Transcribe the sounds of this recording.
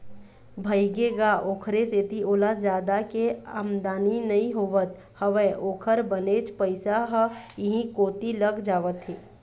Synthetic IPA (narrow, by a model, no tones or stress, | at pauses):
bʱəiɡeɡaʔoːkʰɾeset̪iʔoːlad͡ʒaːd̪akeaːmd̪aːninɐɦĩɦoʋət̪ | həʋeʔoːkʰəɾbənet͡ʃpəɪsaɦɪɦĩkoːt̪iləɡd͡ʒaːʋət̪ɦeː